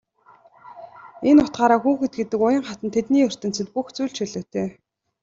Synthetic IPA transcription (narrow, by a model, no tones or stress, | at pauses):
enʊt̪̚ɢaːɾaːxuːxɘ̆t̪̚ɡet̪ɘ̆kʊjə̆ɴχat̪ə̆nt̪ʰet̪niːɵr̥t̪ɘ̆nt͡sɘ̆t̪puxt͡suːɮt͡ɕʃiɮoːt̪ʰeː